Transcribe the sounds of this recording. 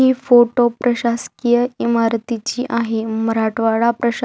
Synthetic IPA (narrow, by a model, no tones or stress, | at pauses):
iːfoʈopɾəɕaskijəimaɾt̪it͡ɕiːʔaɦeməɾaʈʋaɭapɾəɕ